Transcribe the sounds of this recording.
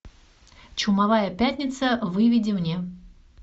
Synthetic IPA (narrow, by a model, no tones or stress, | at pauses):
t͡ɕʊmavajəpʲætʲnʲɪt̪səvɨvʲɪdʲɪmnʲe